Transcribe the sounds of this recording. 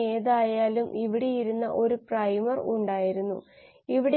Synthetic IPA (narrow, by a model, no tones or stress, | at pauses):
e̞ːðaːjaːlumʔiʋiɽejiɾunːɐ̰ʔo̞ɾuprɐjmɐruɳɖaːjiɾunːṵ | iʋiɽe